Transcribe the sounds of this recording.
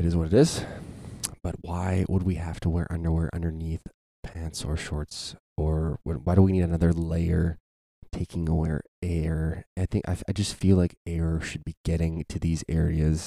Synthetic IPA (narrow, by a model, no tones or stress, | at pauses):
ɨɾɨzwʌɾɨɾɪz̥ | b̥ʌt̚waɪwʔə̰d̚wihæftəwɛɹʔʌ̰̃ndə˞wɛɹʔʌ̰̃ndə˞niθ | pʰæ̃ntsə̰˞ʃɔɹts | ʔə˞wə̰̃nwaɪɾəwiniɾɨnʌðə˞leɪə˞ | tʰeɪkɪ̃ŋəwɛ̰ɹ | ɛɹaɪθɪ̃ŋkaɪaɪd͡ʒʌstfilaɪkɛɹʃɨd̚biɡɛɾɪ̃ŋtʰɨðizɛɹiɨz̥